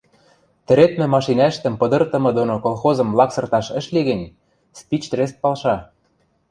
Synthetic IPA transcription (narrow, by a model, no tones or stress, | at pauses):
t̪ɘ̆ɾet̪mɘ̆mɑʃinɑɘ̆ʃt̪ə̆mpɤ̆d̪ɤ̆rt̪ɤ̆mɤ̆d̪onokolˠxozɤ̆mlɑksɤ̆rt̪ɑʃə̆ʃliɣɘ̆nʲ | spit͡ɕt̪res̬t̪̚pɑlʃɑ